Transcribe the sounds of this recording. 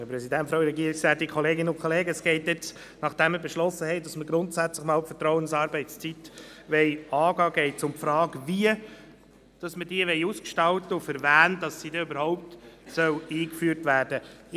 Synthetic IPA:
dəpɾɛsidæntfɾaʊɾɛɡiːɾɪksæːt̚dikʰχɔleːɡɪnəʊnkʰɔleːɡəəsɡ̥ɛɪt̚dɛt͡s | nɑχd̥ɛmːəbɛʃlɔsːəhɛɪdɑsməɡɾʊntsæt͡slɪχmɑːlfətɾɔwənsɑːɾbɛɪst͡sit̪ | ʋɛɪɑːɡɑːɡ̥ɛɪt͡sʊmpfɾɑːɡəviə | d̥ɑsməd̥iəʋɛɪuːskʃtɑltəʊfəɾvæːndɑsːidɛøbəɾhɔʊp̚tsœwiːkfyːɾtvæːɾd̥ə

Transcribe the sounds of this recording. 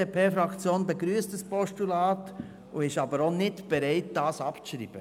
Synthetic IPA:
epʰeːfɾɑkt͡sjoːnbeɡɾyːəstəspɔʃtulɑːt | uɪʃɑbəɾonɪtb̥ɛɾɛɪt̚d̥ɑːsɑpt͡sʃɾḭːb̥ə

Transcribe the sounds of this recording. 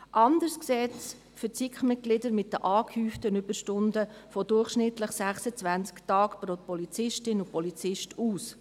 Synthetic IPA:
ʔɑndəɾskseːts | fət͡sikχmɪt̚ɡ̥lɪdəɾmɪt̚dəʔɑːkhyːftənʏbəɾʃtʊndəfɔdʊrχʃnɪtləχsæχsət͡sʋænt͡sktɑːkpɾopɔlit͡sɪʃtɪnʊpɔlit͡sɪʃtuːs

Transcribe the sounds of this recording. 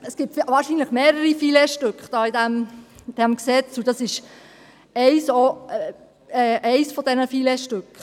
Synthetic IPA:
əsɡ̥iːp̚tvʋɑːɾʃinləχmeːɾəɾifilɛʃtʏkχd̥ɑːidæmd̪̥æmksɛt͡sudɑsɪʃ | ɛɪso | ɛɛɪsfɔd̥ɛnəfilɛʃtʏkχ

